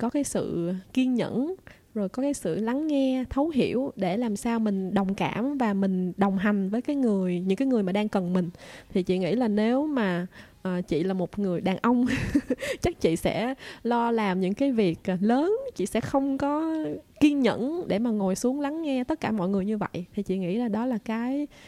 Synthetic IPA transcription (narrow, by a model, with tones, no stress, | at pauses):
kɔ˨˦kaː˨˦jsɨ̰˧˨ki˧ənɲə̰˧˥n | zo˨˩jkɔ˨˦kaː˨˦jsɨ̰˧˨la˨˦ŋːɛ˧t̪ʰə˨˦wɦi˧˩əwɗe˧˩laː˨˩msaː˧wmï˨˩ŋ̟ɗə˨˩wŋ͡mka̰ː˧˩mvaː˨˩mï˨˩ŋ̟ɗə˨˩wŋ͡mɦa˨˩jŋ̟vəː˨˦jkaː˨˦jŋɨ˨˩əjɲɨ˧˥ŋkaː˨˦jŋɨ˨˩əjmaː˨˩ɗaː˧ŋkə˨˩nmï˨˩ŋ̟t̪ʰi˨˩t͡ɕḭ˧˨ŋḭ˧˥laː˨˩ne˨˦wmaː˨˩ʔəː˨˩t͡ɕḭ˧˨laː˨˩mo˨˩t̚ŋɨ˨˩əjɗaː˨˩ŋʔə˧wŋ͡m | t͡ɕa˦˥k̚t͡ɕḭ˧˨sɛ̰˧˥lɔ˧laː˨˩mɲɨ̰˧˥ŋkaː˨˦jvi˨˩ək̚ləː˨˦nt͡ɕḭ˧˨sɛ̰˧˥xə˧wŋ͡mkɔ˨˦ki˧ənɲə̰˧˥nɗe˧˩maː˨˩ŋo˨˩jsu˨˦əŋla˨˦ŋːɛ˧t̪ə˦˥t̚kaː˧˩mɔ̰˧˨jŋɨ˨˩əjɲɨ˧və̰˧˨jʔt̪ʰi˨˩t͡ɕḭ˧˨ŋḭ˧˥zaː˨˩ɗɔ˨˦laː˨˩kaː˨˦j